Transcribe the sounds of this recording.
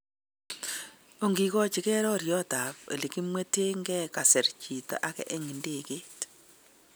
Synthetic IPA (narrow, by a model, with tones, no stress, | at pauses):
o˨ŋɡi˨kɔ˦t͡ʃɪ˨kɛ˦ɾɔ˦ɾjɔ˦ta˨pḛ˨li˨ki˦mwe˦te˦ŋɡɛ˦ka˨sɛ˨ɾt͡ʃi˨tɔ̰˨ʔa˦kɛ̰˦ʔɛ˦ŋɪ˨nde˦˨ke˦t